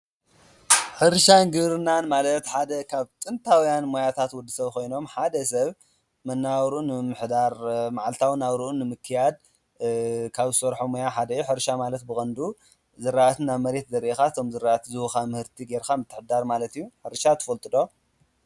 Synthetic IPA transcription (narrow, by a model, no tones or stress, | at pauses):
ħɨɾʃanɡɨβɾɨnːanmalɐt̪ħad̪ɐkʰaβt̪ʼɨnt̪ʰawjanmojat̪ʰat̪wʊd̪ːɨsɐβkʰo̞jno̞mħad̪ɐsɐβ | mɐnːawɾunɨmɨħd̪aɾmaʕalt̪ʰawnawɾuʔunːɨmɨkʰːɨjad̪̚ | kʰaβɨsɐɾħomojaħad̪ɐjuħɨɾʃamalɐt̪bɨkʼɐnd̪u | zɨɾaʔt̪ʰɨnaβmɐɾe̞t̪zɐɾʔekaɨt̪ʰo̞mzɨɾaʔt̪zɨwxamɨhɨɾt̪ʰiɡeɾkamɨt̪ʰːɨħd̪aɾmalɐt̪ijːuħɨɾʃat̪ʰɨ̥fɐlt̪ʼɨd̪o̞